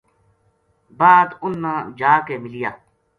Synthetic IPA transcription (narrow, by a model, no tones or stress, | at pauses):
baːd̪ʊnːãːd͡ʒaːkeːmɪlijaː